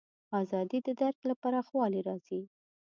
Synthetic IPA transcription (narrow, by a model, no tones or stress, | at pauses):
ɑzɑd̪id̪əd̪aɾklapaɾaɑxwɑliɾɑz̥i